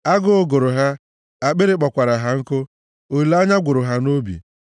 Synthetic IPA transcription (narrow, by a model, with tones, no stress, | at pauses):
a˦ɡʊ˦ʊ˦ɡʊ˨ɾʊ˨ɦa˦ | a˨k͡pe˦ɾe˦k͡pɔ˨kʷa˨ɾa˨ɦa˨ŋ̩˦kʊ˦ | o˨i˨la˦ɲa˦ɡʷʊ˨ɾʊ˨ɦa˦no˦bḭ˨